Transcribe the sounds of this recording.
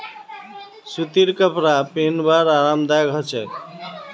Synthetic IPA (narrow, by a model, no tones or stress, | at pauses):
sut̪iɾkʌpɾapenbaɾaɾamd̪aɡʱʌt͡ʃɛ